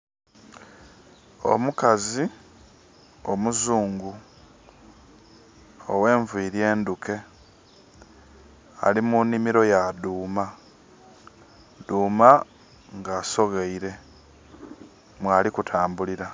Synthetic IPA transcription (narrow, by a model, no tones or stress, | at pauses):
o̞̰mukazi | o̞muzuːŋɡu | owe̞ːɱviːɾje̞ːnduke̞ | a̰limunːimiɾo̞jaduːma | d̪uːma | ŋɡaːso̞ɣeiɾe̞ | mwaːlikutʰaːmbuliɾa